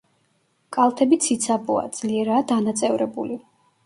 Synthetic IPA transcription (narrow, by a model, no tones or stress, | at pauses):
kʼalˠt̪ʰɛbit̪sʰit̪sʰabua̰d̪z̥liɛɾaːd̪anat̪sʼɛvɾɛbuli